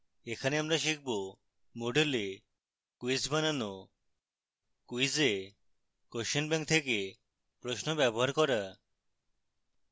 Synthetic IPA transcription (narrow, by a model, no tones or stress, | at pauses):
ekʰaneamɾaʃ̬ik̚ʰbo | moɖele | kuisbanano | kuize | koʃenbɛŋk̚t̪ʰeke | pɾoʃnobɛboɦaɾkɔɾa